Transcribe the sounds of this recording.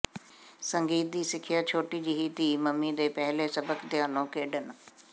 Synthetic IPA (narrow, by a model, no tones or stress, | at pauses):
sə̃ŋɡiːt̪̚d̪iːsɪkʰɪjaːt͡ʃʰoːʈiːd͡ʒiːɦiːt̪iːməmːid̪eːpɛɦleːsəbəkd̪ɪjaːnõːkeːɖən